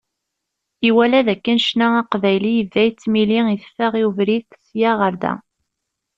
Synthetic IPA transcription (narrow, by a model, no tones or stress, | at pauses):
iwælæðækːənʃnææqvæjlijəvːæjt͡sːmiliiθfæʁiuvɾiθtsjaʁəɾðæ̰